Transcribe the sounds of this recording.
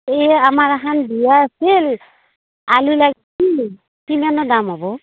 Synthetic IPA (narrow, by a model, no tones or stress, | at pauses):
eamaɹaɦanbijaːsil | alulaɡ | i | kimanɔdamɦɔbɔ